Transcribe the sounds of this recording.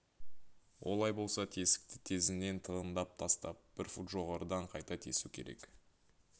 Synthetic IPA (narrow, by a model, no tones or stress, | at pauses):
wʔo̞̰lˠɑjbo̞lˠsɑt̪ʰe̞sɪ̥k̚t̪ɪ̥t̪ʰe̞zɪne̞nt̪ʰəənd̪ɑp̚t̪ʰɑst̪ɑp̚b̥ɪɾfut̪ʒo̞ʁɑɾəd̪ɑɴqʰɑjt̪ɑt̪ʰe̞sukʲʰeɾe̞̰k